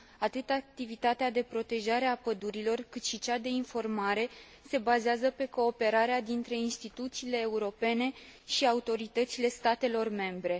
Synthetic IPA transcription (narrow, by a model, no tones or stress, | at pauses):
at̪ɨt̪ak̚t̪ivit̪at̪ead̪e̞pɾo̞t̪e̞ʒaɾeapəd̪uɾilo̞rkɨt̪ʃit͡ʃad̪e̞info̞rmaɾe̞ | se̞bazeazəpe̞ko̞ːpe̞ɾaɾead̪int̪ɾe̞inst̪it̪ut̪siːle̞ːuɾo̞pe̞ne̞ | ʃiaut̪o̞ɾit̪ət̪sile̞st̪at̪e̞lo̞rme̞mbɾe̞